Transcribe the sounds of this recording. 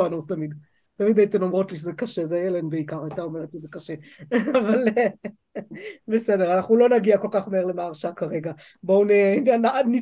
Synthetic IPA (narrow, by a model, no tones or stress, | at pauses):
anut̪amid̪ | tamid̪ait̪emlomʁo̞tliʃezekɐʃe̞zejelenbeikaʁajt̪aomeʁet̪lizekaʃe̞aval | besede̞ʁanaχnulo̞naɡiako̞lkaχmeeʁle̞maːʁʃakaʁe̞ɡa | bounenanani